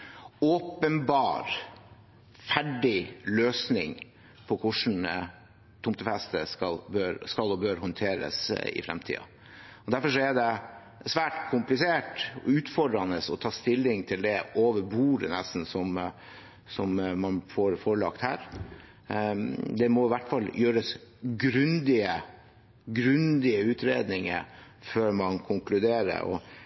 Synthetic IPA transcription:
oːpənbɑːɾ | fæɖɪløːsnɪŋ | pʰɔkʰʊʂɳ̩ | t̪ʰʊmt̪əfɛst̪əskɑlbøːɾskɑlɔbøːɾɦɔnt̪ʰeːɾə̰sɪ̰fɾɛ̰mt̪ʰḭːɑ̰ | ɔd̪æɾfɔʂɔɛɖɛ | sʋæːʈkʰʊmplɪseːʈʉːt̪fɔɖɾɑnəsɔt̪ʰɑːst̪ɪlːɪŋt̪ʰɪld̪ɛʔoːʋəɾbuːɾənɛst̪n̩sɔm | sɔmmɑnfɔɾfɔɾɭɑkt̪hæ̰ːɾ | d̪ɛmɔɪʋæʈːfɑlːjøːɾəsɡɾʉnd̪ɪə | ɡɾʉnd̪ɪəʉːt̪ɾeːd̪nɪŋə̰ | føːɾmɑnkʰʊŋklʉd̪eːɾə̰ɔ̰

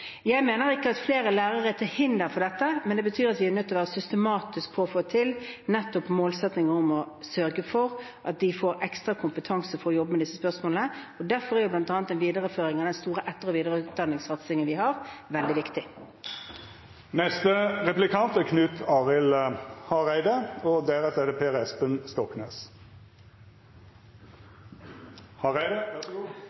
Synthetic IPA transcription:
jæɪmeːnəɾɪkːəɑt̪fleːɾəlæːɾəʁət̪ʰɪlhɪnd̪əɾfɔd̪ɛt̪ːəmɛnd̪ɛbət̪ʰyːɾɑt̪ʋɪæɾnœt̪ːɔʋæːʁəsʏst̪əmɑːt̪ɪsk̚pʰɔːfoːt̪ʰɪlnɛt̪ːɔpmoːlsɛt̪nɪŋəɾɔmɔ | sœɾɡəfɔɾ | ʔɑt̪̚d̪ɪfoːɾɛkst̪ɾɑkʰʊmpət̪ʰɑŋsəfɔɾɔjɔbːəmɛd̪ɪsːəspœʁsmoːlnəɔd̪æɾfɔɾæɾjʊblɑnt̪ɑːnət̪ːɛnʋiːd̪əɾəføːɾɪŋɑd̪ɛnst̪uːɾəʔɛt̪ːəɾɔʋiːd̪əɾəʉt̪̚d̪ɑnːɪŋsɑt̪sɪŋənʋɪhɑɾʋɛld̪ɪʋɪkt̪ɪ | nɛst̪əʁɛplɪkʰɑnt̪ækʰnʉːt̪ʰɑːʁɪlhɑʁæɪd̪əɔd̪æːʁəsɛd̪ɛpʰeːʁɛspənst̪ɔknḛːs | hɑʁæɪə

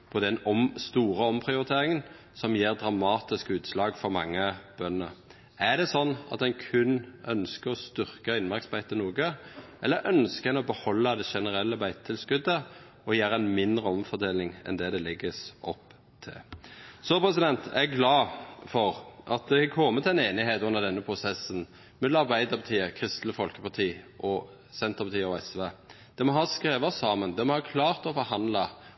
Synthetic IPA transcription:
pʰɔd̪ɛnɔmst̪uːɾəɔmpʰɾʁɪʊɾɪt̪ʰeːɾɪŋən | sɔmjeːʁd̪ɾɑmɑːt̪ɪskʉːt̪slɑːɡfɔɾmɑ̰ŋːəb̥œnːə̰ | æʁd̪ɛsɔnːɑ̰t̪d̪ɛnkʰʉnːœnskəɾɔst̪ʏʁkəɪnmɑɾksbæɪt̪ənuːɡəʔɛlːəɾʔœnskəɛnɔbəhɔlːɑd̪ɛʃɛnəɾɛlːəbæɪt̪t̪ʰːɪlskʉd̪ːə | ɔjæːɾəænmɪnd̪ʁəɔmfɔd̪eːlɪŋɛ̰nd̪ɛd̪ɛlɪɡːəsʔɔpː | t̪ʰɪ̰lsɔpʰɾʁɛsɪd̪ɛnt̪ʰɛɡɡlɑːfɔʁʔɑt̪̚d̪ɛkʰɔmːət̪ʰɪɛneːnɪɦeːt̪ʉnːəʁd̪ɛnːəpʰɾʊsɛsːən | mɛɑʁbæɪd̪əɾpʰɑt̪ʰiːəkʰʁɪst̪ləfɔlkəpɑt̪ʰiːʔɔ | sɛnt̪əʁpʰɑt̪iːəɔɛsʋeː | d̪̥ɛmɔɦɑskɾeːʋəsɑːmənd̪ɛmɔhɑkʰlɑːʁt̪ɔfɔɾhɑnd̪lɑ

